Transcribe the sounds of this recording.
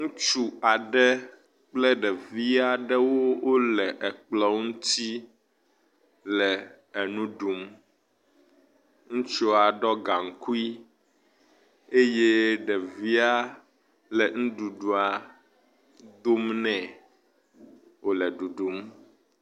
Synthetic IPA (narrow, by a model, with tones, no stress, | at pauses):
ŋũ˦t͡ʃu˦a˨ɖɛ˦ | k͡plɛ˦ɖɛ˨vi˦a˦ɖɛ˦wo˦wo˦lɛ˨ʔɛ˨k͡plɔ˦ŋũ˦t̪i˦ | lɛ˨ | nũ˦ɖu˨m | ŋũ˦t͡ʃo˦a˨ɖɔ˦ɡa˨ŋ˨ku˦i˦ | e˦je˦ɖɛ˨vi˦a˦ | lɛ˨ŋũ˦ɖu˨ɖu˨a˨ | d̪o˦mnɛ̃˨ | wo˨lɛ˨ɖu˨ɖu˨˦m